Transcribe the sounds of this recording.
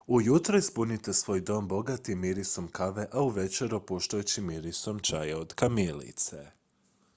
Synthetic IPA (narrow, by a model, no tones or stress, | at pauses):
ujut̪ɾoispunit̪e̞sʋo̞ːjd̪o̞ːmbo̞ɡat̪imiɾiso̞mkaʋe̞ʔauʋe̞t͡ʃe̞ɾupuʃt̪ajut͡ɕimiɾiso̞mt͡ʃajeod̪̥kamilḭt̪sḛ